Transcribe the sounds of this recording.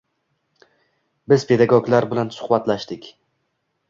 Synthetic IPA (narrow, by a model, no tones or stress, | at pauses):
bɪz̥pʰe̞d̪aɡɒɡlaɾbɪlansʊ̥χbat̪laʃd̪ɪkʲ